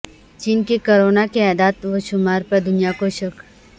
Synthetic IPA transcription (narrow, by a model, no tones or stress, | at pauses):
t͡ʃiːnkikoɾoːnakeɛːd̪aːt̪ʋoʃʊmaːɾpɐɾd̪ʊnijakoʃək